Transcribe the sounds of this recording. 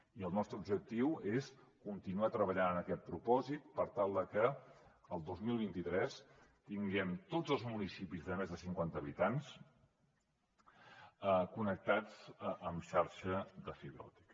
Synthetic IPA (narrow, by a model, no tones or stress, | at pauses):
iəlˠnɔst̪ɾəubʒək̚t̪iweskunt̪inuat̪ɾəβəʎanənəkɛt̪̚pɾupɔzit̪̚pəɾt̪alˠd̪əkəəlˠd̪ozmilˠβ̞int̪it̪ɾɛst̪iŋɡɛmt̪od͡zəlˠzmunisipizðəmezðəsiŋkwant̪əβit̪ans | əkunək̚t̪ad͡zəmʃaɾʃəd̪əfiβɾɔ̰t̪i̥k